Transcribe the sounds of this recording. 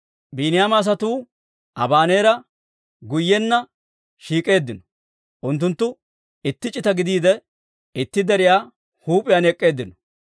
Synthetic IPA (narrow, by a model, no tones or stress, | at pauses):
biːnɪjaːmaːs̬ɐt̪uː | ʔɐbaːne̞ːɾɐ | ɡʊjːɛnːɐ | ʃiːkʼe̞ːd̪ːɪnɔ̥ | ʔʊnt̪ːʊnt̪ːʊ | ɪt̪ːɪt͡ʃʼɪt̪ɐɡɪd̪iːd̪ɛ | ɪt̪ːɪd̪ɛɾɪjaː | huːpʼɪjaːnɛkʼːe̞ːd̪ːɪnɔ̥